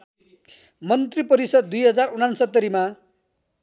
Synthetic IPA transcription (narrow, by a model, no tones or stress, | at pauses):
mʌnt̪ripʌɾisʌd̪d̪ujɦʌd͡zarunansʌt̪ːʌɾima